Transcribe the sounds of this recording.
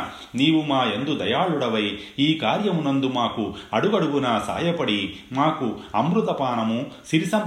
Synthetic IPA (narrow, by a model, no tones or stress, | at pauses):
niːʋumaːend̪ud̪ɐjaːɭuɽɐʋɐj | iːkaːɾjɐmunond̪umaːkuɐɽuɡɐɽuʋunɐsa̰ːjɐpɐɽimaːkuɐmɾut̪ɐpaːɳɐmusiɾisɐm